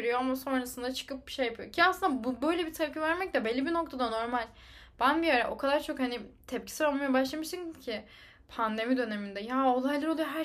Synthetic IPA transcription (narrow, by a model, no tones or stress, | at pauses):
ɾyjoamaso̞nɾasɯnd̪at͡ʃʰɯ̥kɯp̚bi̥ʃejːapɯjocʰiaslˠɯnd̪abubø̞jlʲebit̪ʰɛp̚cʰivæɾmɛc̚t̪ɛbelʲːibino̞kt̪ʰad̪ano̞ɾmalʲ | b̥ænbiaɾɛʔo̞kʰad̪aɾt͡ʃʰo̞khanit̪ʰɛp̚cʰi̥sɯɾolˠmajabaʃlˠamɯʃt̪ɯncʰi | pʰand̪e̞mid̪ø̞ne̞mind̪ɛjaːo̞lˠajlˠaɾolˠujoɦæ